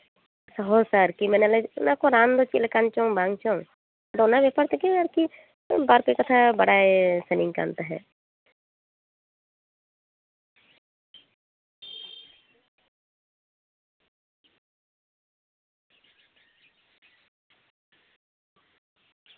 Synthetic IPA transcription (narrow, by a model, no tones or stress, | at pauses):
səɦosaɾkimɛːnelanakoɾaːnd̪ot͡ʃilkant͡ʃõbãːŋɡt͡ʃõ | d̪onabjepəɾt̪ekeaɾki | baːɾpekət̪ʰabəɽaesənɪ̃ŋka̰nt̪aɦɛ̰ː